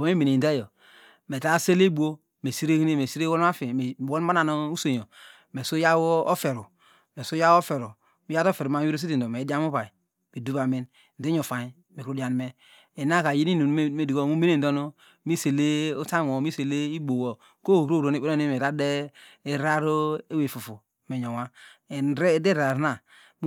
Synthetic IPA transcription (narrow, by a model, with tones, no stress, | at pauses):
o˨me˦me˨ne˨n˨de˦jo˨ | me˨ta˦se˦le˦bu˦o˦ | me˨si˦ɾe˦ki˦ne˦me˨si˦ɾe˦wo˦la˦fe˨wo˦ma˦na˨no˦u˦so˨jo˨ | me˨so˦ja˦wo˦o˦fe˨ɾu˨ | me˨so˦ja˦wo˦fe˨ɾo˨ | mi˦ja˦to˦fe˨ɾma˦i˦ɾo˦s̬i˦ti˨ndo˨me˨˦da˦m˦u˦βa˨i˨ | me˨du˦βa˨me˦n | n˨de˦ɲo˨fa˨ɲi˨˦ | me˨kɾu˦di˦˨a˨nme˦ | e˨na˦ka˨ji˦ni˦nu˨n˨˦me˦di˨ɡo˦˨mu˦me˦ne˨n˨do˦no˦ | mi˦se˨le˦o˦ta˦ŋ˨o˨mi˦se˨le˦i˦bo˨wo˨ | ko˦˨ɾo˦˨ɾo˨ne˦˨e˦no˦i˦me˨ɾa˦de˦e˦ɾa˦ɾo˦e˦we˨fu˨fu˨me˨ɲo˨ŋa˦e˨˦ɾe˦de˦ɾa˨ɾna˦˨ | m˦